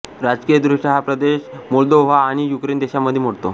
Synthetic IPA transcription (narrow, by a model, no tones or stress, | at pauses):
ɾad͡ʑkijəd̪ɾuʂʈəɦapɾəd̪eɕmɔld̪oʋ̤aːɽ̃ijukɾend̪eɕaməd̪ʱːjemoɽt̪o